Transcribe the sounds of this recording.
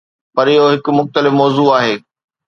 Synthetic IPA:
pɐɾɪɦoɦɪkʊ̆mʊxt̪əlɪfmɔːzuːaːɦeː

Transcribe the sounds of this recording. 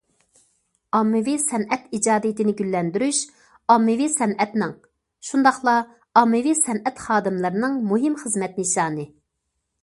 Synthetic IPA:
ɑmːɨvisɛnʔɛt̪id͡ʒɑːd̪ijit̪ʰɪnɪɡʲylːɛnd̪yɾyʃ | ɑmːɨvisɛnɛt̪nɪŋ | ʃund̪ɑχlˠɑ | ɑmːɨvisɛnɛt̪χɑːd̪ɨmlˠɨɾɨnɨŋmuɦɪmχəzmɛt̪nɪʃɑːnɨ

